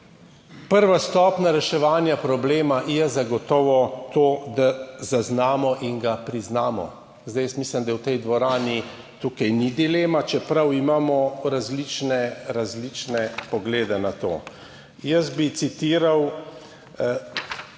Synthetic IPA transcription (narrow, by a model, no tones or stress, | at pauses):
pəɾʋast̪ɔːpnaɾɛʃɛʋaːnjapɾɔbleːmajɛzaɡɔt̪ɔːʋɔt̪oːd̪azaznaːmɔʔiŋɡapɾiznaːmɔ̰ | zd̪ajɛsmislɛmd̪awt̪ɛjd̪ʋɔɾaːni | t̪uːkajnid̪ileːmat͡ʃɛpɾawimaːmɔɾazlit͡ʃnɛɾazlit͡ʃnɛpɔɡleːd̪ɛnat̪o̰ː | jəsbit̪sit̪iːɾaw